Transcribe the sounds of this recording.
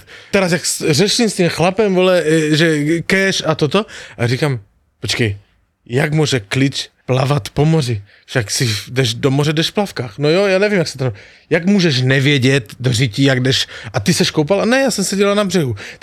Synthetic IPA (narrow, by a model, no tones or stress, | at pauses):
t̪ɛɾasjaksrɛʃimst̪imxlapɛmvolɛʒɛkɛʃat̪ot̪oʔarikam | pot͡ʃkɛj | jaɡmuɔʒɛklit͡ʃplavat̪pomori | fʃaksidɛʒdomorɛdɛʃfplafkaːxnojojaːnɛvimjaksɛ̥t̪ano | jaɡmuːʒɛʃnɛvjɛɟɛt̪d̪oricijaɡdɛʃʔat̪isɛʃkowpalanɛjaːsɛmsɛɟɛlanabrɛɦu